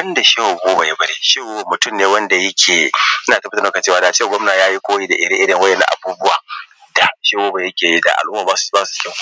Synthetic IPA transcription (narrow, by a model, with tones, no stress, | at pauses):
bɐ˦nda˨ʃe˦wo˨ɡoː˦ba˨ja˦bɐ˦ɽeː˨ʃe˦wmʊ˨tʊ˦mneː˨wɐ˦nda˨jɐ˦kʲʰeː˨ʔɪ˦naː˨tɐ˦btɐ˦na˦ka˨t͡ʃeː˦waː˨da˨t͡ʃeː˦wa˨ɡʷɐ˦mnaː˨jaː˦ji˦kʷoː˦wi˦da˨ʔɪ˦ɽɪ˦ŋʔɪ˦ɽɪ˨ŋwɐ˦jɛ˨na̰˦ʔa̰˨buː˦bʊ˦waː˨ | d̥a˨ha˨˦ʃe˦woː˦ba˨jɐ˦kʲeː˨ji˦da̰˨ʔa̰˨lʔʊ˦mːaː˨ba˦sbaː˦su̥˨˦ɛ˦w